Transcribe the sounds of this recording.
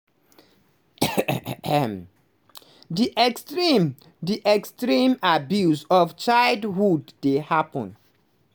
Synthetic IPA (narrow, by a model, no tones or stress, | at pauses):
diʔɛkstɹim | diʔɛkstɹĩmabjuzɔft͡ʃaɪldhudːehapə̃n